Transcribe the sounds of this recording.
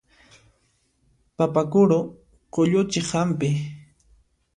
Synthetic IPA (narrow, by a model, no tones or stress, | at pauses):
papakʊɾʊ | qoʎʊt͡ʃɪχampɪ